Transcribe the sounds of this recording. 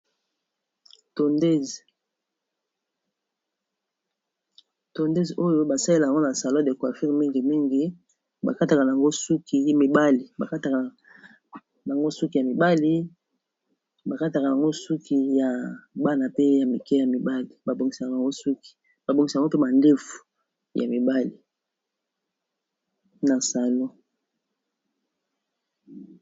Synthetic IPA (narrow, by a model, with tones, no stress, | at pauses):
to˨nde˦˨ | to˨nde˦zo˦jo˦ba˨sa˦le˦la˨a˨ŋɡo˦na˨sa˨lɔ̃˦de˨ka˨fi˦ʁmi˦ŋɡi˨mi˦ŋɡi˨ | ba̰˨ka˦ta˨ka˨na˨a˨ŋɡo˦su˦ki˨mi˨ba˦li˨ba˨ka˦ta˨ka˨ | ja˨ŋɡo˦su˦ki˨ja˨mi˨ba˦li˦ | ba˨ka˦ta˨ka˨ja˨ŋɡo˦su˦ki˨ja˨ba˦na˨pe˦ja˨mi˨kɛ˦ja˨mi˨ba˦li˨ba˨bo˨ŋɡi˨sa˨ka˨ŋɡo˦su˦ki̥˨ | ba˨bo˨ŋɡi˨si˨ŋɡo˦pe˦ba˨nde˦fu̥˨ | ja̰˨mi˨ba˦li˨ | na˨sa˨lo˦